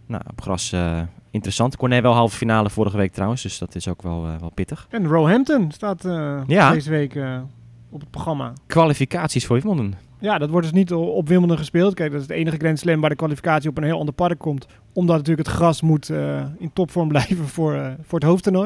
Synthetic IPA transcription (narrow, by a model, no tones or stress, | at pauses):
na̰wɔpχrɑ̰səɪntərəsɑntkonɛʋɛlˠɦɑlˠvəfinaːləfʊɾəχəʋejk̚trawənsdøsdɔtɪsokʋɛ̰lˠʋɛlˠpɪtəχɛnrowɦɛmptənstaːtjadezəʋejk | ɔpət̚proχrɑma̰kʋalifikaːtsisfoːɹʋɪməl̩ˠdən | jadɔtʋɔɹdɵsnitɔpʋɪməlˠdənχəspeɪːlˠt̚kɛjk̚dɔtɪsdəejnəχəɡrɛnslɛmʋaːdəkʋalifi̥kaːtsiɔpənɦɪːlˠɑ̰ndəɹpɑrəkʰːɔmt | ɔmdɔtnat̬yːləkɦətχrɑsmutəɪntɔpfɔɹmblɛjvənfʊɹfʊːɹətɦowftəno